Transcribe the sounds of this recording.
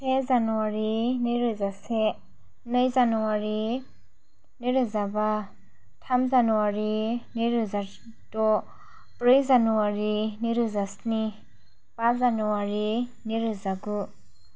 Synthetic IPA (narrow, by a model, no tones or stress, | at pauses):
pʰezanuwaɾiniɾɯzase | nɯjzanɔwaɾi | niɾɯzaba | tʰamzanuwaɾiniɾɯza | tɔ | pɾɯjzanuwaɾiniɾɯzasni | pazanuwaɾi | niɾɯzaɡu